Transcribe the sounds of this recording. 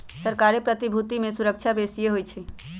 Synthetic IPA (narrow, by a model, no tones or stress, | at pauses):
səɾkaɾepɾət̪ibʱut̪imẽsuɾək̚t͡ʃʰabesijeɦojt͡ʃʰɛ